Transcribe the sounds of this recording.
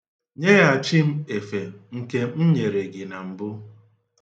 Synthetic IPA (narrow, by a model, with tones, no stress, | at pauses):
ɲe˦ɣa˨a˨t͡ʃi˦m̩˦e˨fe˨ŋ̩˨ke˦m̩˦ɲe˨ɾe˨ɡɪ˨na˨m̩˨bʊ˦